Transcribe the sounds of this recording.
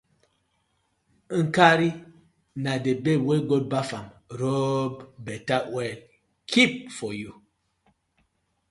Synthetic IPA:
ŋ̩kaɾi | nadebeweɡot̚bafamɾobbɛtawɛl | kʰip̚fɔju

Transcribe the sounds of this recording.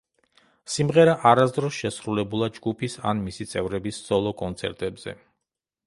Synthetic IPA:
simʁɛɾaʔaɾasd̪ɾɔsʃɛsɾulɛbulˠad͡ʒɡupʰisa̰nmisit̪sʼɛvɾɛbisd̪z̥ʼɔlˠɔkʼɔnt̪sʰɛɾt̪ʼɛbz̥ɛ̰

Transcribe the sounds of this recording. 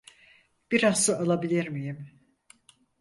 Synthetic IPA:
b̥iɾaːɯalˠabilʲiɾmijim

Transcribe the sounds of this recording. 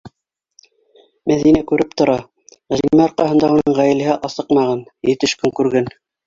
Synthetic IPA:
mæðinækʉɾɘp̚t̪ŏɾɑ | ʁæɾimæɑɾqɑɦɤ̆nd̪ɑunɤɴʁæjɘ̆lɘ̆ɦɘʔɑsɤqmɑʁɑnjɘ̆t̪ɘ̆ʃkɵŋkʉɾɡæn

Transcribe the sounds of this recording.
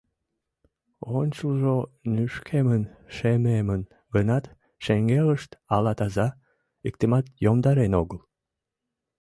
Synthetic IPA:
onʲt͡ɕulˠʒonyʃkʰemənʃememən | ɡənɑt̪ | ʃeŋɡeləʃt̪ɑlɑt̪ɑzɑ | ik̚t̪emɑt̪jomd̪ɑɾenoɡəl

